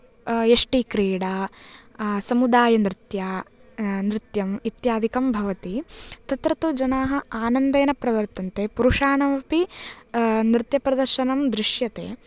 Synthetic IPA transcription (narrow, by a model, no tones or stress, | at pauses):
eʂʈikɾiːɽaː | sɐmud̪aːjɐnɾɪt̪jaː | nɾɪt̪jɐmit̪jaːd̪ʱikɐmbʱɐʋɐt̪it̪ɐt̪ɾɐt̪ud͡ʒɐnaːɦɐ̆aːnɐnd̪eːnɐpɾɐʋɐɾt̪ɐnt̪eːpuɾuʂaːɳɐʋɐpi | nɾɪt̪jɐpɾɐd̪ɐɾʃɐnɐmd̪ɾɪʂjɐt̪ḛː